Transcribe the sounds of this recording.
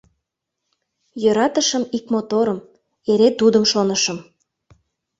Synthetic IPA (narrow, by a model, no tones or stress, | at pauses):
jøɾɑt̪əʃəmikmot̪oɾəm | eɾet̪ud̪əmʃonəʃə̆m